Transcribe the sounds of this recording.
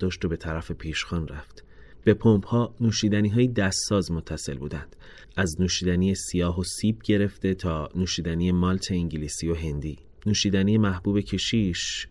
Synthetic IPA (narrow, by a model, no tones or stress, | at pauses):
d̥̪ɒːʃt̪o̞be̞t̪ʰæɾæfe̞pʰiːʃxɒːnræ̰ft̪b̥e̞pʰomphɒːnuːʃiːd̪æniːɦɒːjed̪æsːɒːzmot̪ʰːæse̞lbṵːd̪ænd̪̥ | ʔæznuːʃiːd̪ænijesijɒːɦo̞siːbɟe̞ɾe̞ft̪e̞t̪ʰɒːnuːʃiːd̪æniːje̞mɒːlt̪ʰe̞iŋɟilisijo̞ɦe̞nd̪iː | nuːʃiːd̪æniːje̞mæhb̥uːbe̞cʰe̞ʃiːʃ